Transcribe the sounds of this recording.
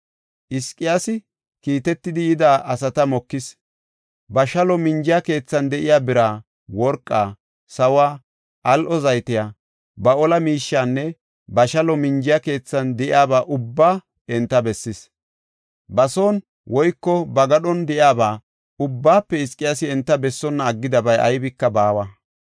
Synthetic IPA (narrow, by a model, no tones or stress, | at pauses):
ʔɪskʼːɪjasɪ | kiːt̪ɛt̪ːɪd̪ɪjɪd̪aːʔɐs̬ɐt̪ɐmɔkːɪs | bɐʃɐlɔmɪnd͡ʒɪjɐke̞ːt͡sːɐnd̪ɛʔɪjaːbɪɾaː | wɔɾkʼːaː | sɐwaː | ʔɐlʔɔzɐjt̪ɪjaː | bɐɔlɐmiːʃːaːnːɛ | bɐʃɐlɔmɪnd͡ʒɪjake̞ːt͡sːɐnd̪ɛʔɪ̰aːbaːʔʊbːaː | ɛnt̪ːɐbɛsːɪs | bɐsoːn | wʔɔjkːɔbɐɡɐɗɔnd̪ɛʔjaːbaː | ʊbːaːpːɛɪskʼːɪjasɪɛnt̪ːɐbɛsːɔnːɐːɡːɪd̪ɐbɐjʔɐ̰jbɪkːɐbaːwɐ